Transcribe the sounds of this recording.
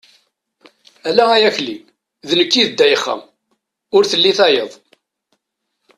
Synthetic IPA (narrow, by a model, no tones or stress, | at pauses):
ælææjæçli | ðnəkːiðd̪ːæjəχːæ̰ | ʊɾθəlːiθæjəðˤ